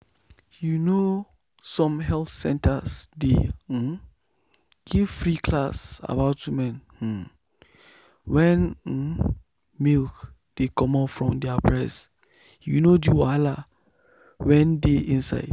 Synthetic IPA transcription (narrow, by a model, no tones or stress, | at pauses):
juno | sɔ̃mɦɛlθsɛ̃ntʰəsde | ɡ̥ivfɹikʰlasa̰baʊtːumɛ̃nh̩ | wɛ̃n̩ | milk | d̥ekɔ̃mafɹɔ̃mdɛapʰɹɛs | junodiwala | wɛ̃ndeʔĩnsa̰ɪd